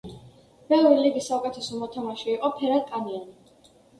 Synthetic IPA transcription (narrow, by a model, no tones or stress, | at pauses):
bɛlɾiliɡisːaukʼɛt̪ʰɛsɔmɔt̪ʰɔmaʃiːqʼɔpʰɛɾat̪kʼaniani